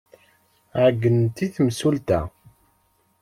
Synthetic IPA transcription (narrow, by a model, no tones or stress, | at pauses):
ʕəɡːənt̪iθmsult̪æ̰